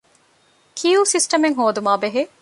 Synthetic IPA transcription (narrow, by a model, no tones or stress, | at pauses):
kʰijuːsisʈɐmeŋɦoːd̪umaːbeɦe